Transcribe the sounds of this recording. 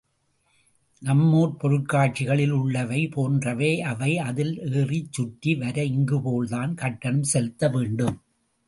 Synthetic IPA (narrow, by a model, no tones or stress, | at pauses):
nɐmːoːɾpɔɾɯʈ̚kaːʈ̚t͡ʃɪɣɐɭɪlʊɭːɐʋɐɪpoːndrɐʋeːʔɐʋɐɪɐðɪleːrit͡ʃːʊʈːiʋɐɾɐɪŋɡɯpoːɭðaːnkɐʈːɐnɯmsɛlɯt̪ːɐʋeːɳɖɯm